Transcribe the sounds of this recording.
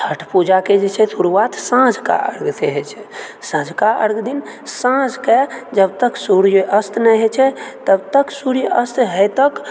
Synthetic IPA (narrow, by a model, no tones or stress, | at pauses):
tʰəʈʰpud͡ʒaked͡ʒet͡ʃʰɛsʰuɾuʋat̪sãd͡ʒʱka̰ʔə̰ɾɡt̪ʰeɦɛt͡ʃʰɛsãd͡ʒʱkaʔə̰ɾɡd̪in | sãd͡ʒʱked͡ʒəbt̪əksuɾjʔəst̪nɛɦɛt͡ʃʰɛt̪əbt̪əksuɾijʔəst̪ɦəjt̪ək